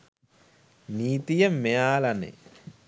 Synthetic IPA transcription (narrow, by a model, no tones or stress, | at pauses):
niːt̪ijəmːejaːlanḛ